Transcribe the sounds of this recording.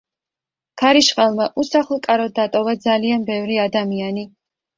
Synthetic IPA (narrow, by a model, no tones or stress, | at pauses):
kʰaɾiʃχalˠmaʔusaχlˠkʼaɾɔd̪ːat̪ʼɔvad̪zalianbɛvɾiad̪amiani